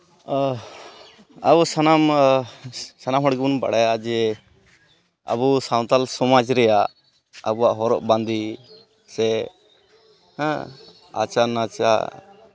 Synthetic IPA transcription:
abusanam | sanamɦɔɽɡɛbunba̰ɽajaʔd͡ʒɛ | a̰busaw̃t̪alsɔmad͡ʒɾɛjaʔ | əbuaʔɦɔɾɔ̰ʔbãnd̪i | sɛ | a̰t͡ʃanat͡ʃa̰

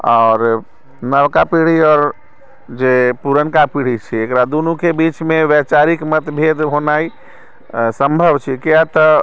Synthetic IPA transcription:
ɔːɾ | nəʋkapiɽ̤iɔːɾ | d͡ʒepuɾənkapiɽ̤it͡ʃʰiekɾad̪unukebit͡ʃmeʋɛt͡ʃaɾikmət̪bʱed̪ɦonai | səmbʱəbt͡ʃʰikijat̪ə

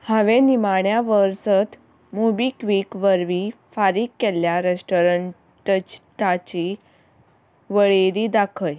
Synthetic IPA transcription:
haʋenimaɳjaʋəɾsət̪ | mubikʋiːkʋəɾʋiːfaɾikːeljaɾesʈoɾəɳ | ʈt͡ɕʈat͡ɕi | ʋəɭeɾiːd̪akʰəj

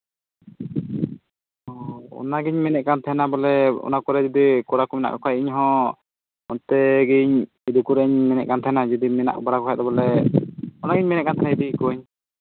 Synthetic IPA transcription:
ɔɔ̰naɡiɲmɛnɛʔ̚kant̪ʰaɛnabɔlɛɔ̰nakɔɾɛd͡ʒɔd̪ikɔɽakɔmɛna̰ʔkɔkʰajiɲɦɔ̃ | ɔnt̪ɛɡiɲ | id̪ukuɾɛʔiɲmɛnɛ̰ʔ̚kant̪ʰaɦɛnad͡ʒɔd̪imɛna̰ʔbɔɽakɔkʰajd̪ɔbɔlɛ | ɔnaɡiɲmɛnɛʔkant̪ʰanaid̪ikɔɲ

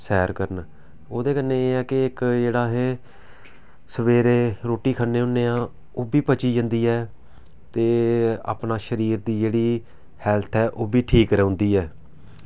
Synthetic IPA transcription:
sɛːɾkəɾən | oːd̪eːkənːeːeːɛːkɪɪkd͡ʒeːɽaːɦeː | səʋeːɾeːɾoːʈːiːkʰənːeːɦʊnːeːãː | oːbiːpət͡ʃiːd͡ʒə̃nd̪iːɛː | t̪eːa̰ːpnaːʃəɾiːɾd̪iːd͡ʒeːɽiː | hɛːlt̪ʰɛːʔoːbʱiːʈʰiːkɾɛːõːnd̪iːɛː

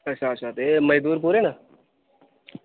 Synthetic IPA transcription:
ət͡ʃʰaːt͡ʃʰaːt̪eːməjd̪uːɾp̬uːɾeːna

